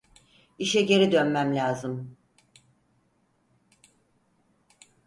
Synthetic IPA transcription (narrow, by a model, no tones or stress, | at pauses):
iʃɛɟe̞ɾid̪ø̞nmæmlʲaːzɯm